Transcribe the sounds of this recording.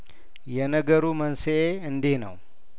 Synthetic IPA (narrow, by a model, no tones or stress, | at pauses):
jɛnəɡəɾumənseʔeɨnd̪enə̰w